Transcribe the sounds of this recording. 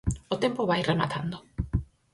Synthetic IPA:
ot̪empoβajrema̰t̪ʰand̪o

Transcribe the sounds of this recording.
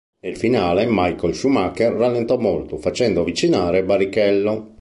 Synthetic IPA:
nelfinaːlemajkolʃumakɛrːalːent̪ɔmolt̪ofat͡ʃɛnd̪oavit͡ʃinaːɾebaɾikɛlːo

